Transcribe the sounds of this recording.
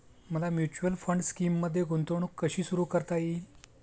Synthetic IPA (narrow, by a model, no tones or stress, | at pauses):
məlamjut͡ɕuʋəlfəɳɖskiːmːəd̪ʱːjeɡont̪əɳ̃uːkːəɕiːsuɾuːkəɾt̪aji